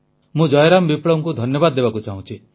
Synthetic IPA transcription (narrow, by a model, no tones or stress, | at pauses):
mũd͡ʒɔjɾambipɽɔŋkud̪ʱɔnjɔbad̪ɔːebakut͡ʃaɦũt͡ʃʰi